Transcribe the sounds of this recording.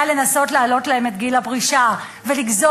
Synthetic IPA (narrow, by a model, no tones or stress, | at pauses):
ale̞naso̞tlaːlo̞tlahe̞me̞t̪ɡilapʁiʃa | ve̞liɡzo